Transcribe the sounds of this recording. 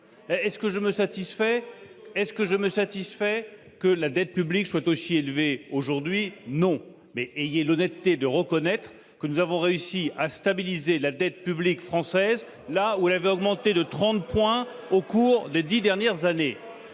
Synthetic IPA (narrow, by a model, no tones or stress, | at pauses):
ɛskəʒəməsat̪isfɛɛskəʒəməsat̪isfɛ | kəlad̪ɛt̪̚pyblikswat̪osielveoʒuʁd̪ɥinɔ̃ | mɛʔejɛlɔnɛt̪t̪ːed̪əʁəkɔnɛt̪χ | kənuzavɔ̃ʁeysiast̪abilizelad̪ɛt̪̚pyblikfχɑ̃sɛz | lauɛlavɛɔɡmɑ̃t̪ed̪ət̪χɑ̃t̪̚pwɛ̃okuʁd̪ed̪id̪ɛʁnjɛʁzane